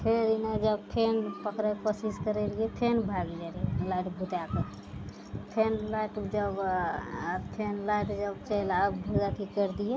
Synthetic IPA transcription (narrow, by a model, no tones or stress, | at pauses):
pʰeɾinad͡ʒəbp̪ʰenpəkɾekosiskəɾeliet̪ʰenbʱaɡlelielajʈbʱut̪ake | t̪ʰenlajʈd͡ʒəb | t̪ʰenlajʈ̪d͡ʒəbt͡ʃəlabbʱud͡ʒat̪ʰikəɾd̪ije